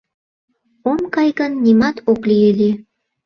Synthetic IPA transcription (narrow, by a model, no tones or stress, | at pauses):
omkɑjɣənːimɑt̪oklieli